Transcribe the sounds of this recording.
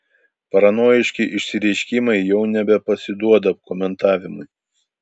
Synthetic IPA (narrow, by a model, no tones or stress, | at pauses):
pɐɾɐnoːjɪʃʲkʲɪʔɪʃʲsʲɪɾʲɛɪʃʲkʲɪmɐɪjɛʊnʲɛbʲɛpɐsʲɪd̪uɔd̪ɐpkɔmʲɛnt̪ɑːʋʲɪmʊɪ